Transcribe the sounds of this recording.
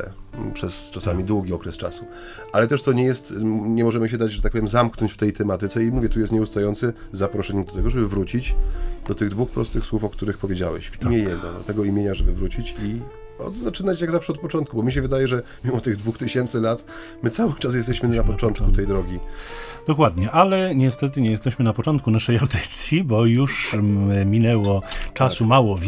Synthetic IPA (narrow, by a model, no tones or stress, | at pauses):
ɛ̰ | pʂɛst͡ʂasamʲid̪wuɡʲiɔkɾɛst͡ʂa̰su | ʔalɛt̪ɛʂt̪ɔɲɛjɛst̪ɲɛmɔʐɛmɘɕ̬ɛd̪ad͡ʑʐɛt̪ak̚pɔvjɛmzamknɔɲt͡ɕft̪ɛjt̪ɛmat̪ɘt̪sɛimuvʲjɛt̪ujɛst̪̚ɲɛust̪ajɔnt̪sɘ | zapɾɔʂɛɲɛd̪ɔt̪ɛɡɔʐɛbɘvɾut͡ɕit͡ɕd̪̥ɔt̪ɘɣd̪vuxpɾɔ̰st̪ɘxswufɔkt̪uɾɘxpɔvʲjed͡ʑa̰wɛ̰ɕfimjejɛɡɔ̰d̪ɔ̰t̪ɛɡɔimʲjeɲaʐɛbɘvɾut͡ɕit͡ɕi | ɔ̰d̪zat͡ʂɘnat͡ɕjaɡzafʂɛɔt̪̚pɔt͡ʂɔnt̪kubɔmʲiɕ̬ɛvɘd̪ajɛʐɛ | mʲimɔt̪ɘɣd̪vuxt̪ɘɕɛnt̪sɘlat̪ | mɘt̪sawɘt͡ʂas̬jɛst̪ɛɕmɘnapɔt͡ʂɔnt̪̚kut̪ɛjd̪ɾɔɡʲi | d̪̥ɔkwad̪ɲɛʔalɛɲɛst̪ɛt̪ɘɲɛjɛst̪ɛɕmɘnapɔt͡ʂɔnt̪kunaʂɛjawd̪ɪt̪sʲjibɔjuʂ | mʲinɛwɔt͡ʂasumawɔvʲ